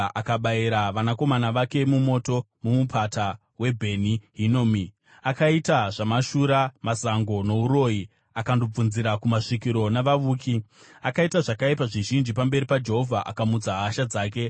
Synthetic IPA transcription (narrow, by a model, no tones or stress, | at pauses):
ʔakaɓaiɾaʋanako̞manaʋake̞mumo̞ːto̞ | mumupʰata | we̞bʱe̞niɦinomi | akaitaʐamaʃuɾamasaŋɡo̞no̞uɾo̞ji | akandob͡vunziɾakumaʂikiɾo̞naʋaʋuːkʰi | akaitaʐakaipaʐiʒind͡ʒipambe̞ɾipad͡ʒe̞ɦo̞vʱaʔakamut͡saɦaʃad͡zaːk̬e̞